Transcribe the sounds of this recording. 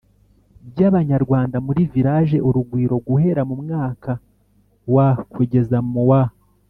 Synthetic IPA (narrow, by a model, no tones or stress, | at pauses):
bjaβaɲaɾɡwaːndamuɾiviɾaʒe̞ʔuɾuɡwiːɾo̞ɡuhe̞ɾamumŋaːka | wakweːɟe̞zamuwa